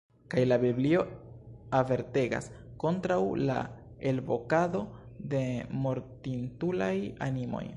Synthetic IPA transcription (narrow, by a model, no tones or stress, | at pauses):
kajlabiblio̞ave̞ɾte̞ɡa̰sko̞ntɾawla̰ | e̞lbo̞kado̞ | de̞mo̞ɾtintulajanimo̞̰j